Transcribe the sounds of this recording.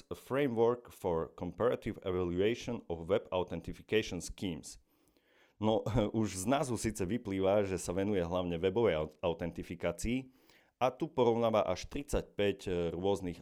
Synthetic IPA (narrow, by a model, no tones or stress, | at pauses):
fɾɛjmʋɔɾkfɔɾkɔmpɛɾat̪iwɛʋaluɛʃɔnɔʋɛba̰ʊt̪ɛnt̪ifi̥kɛjʃɔnskiːms | nɔuʒznazusiːt͡sɛʋipliːʋaʒɛsaʋɛnujɛɦlaʊɲɛʋɛbɔʋɛjaʊt̪ɛnt̪ifikaːt͡siː | at̪upɔɾɔʊnaːʋaʔaʃt̪ɾit͡sac̚pɛɟɾʊɔzniɣ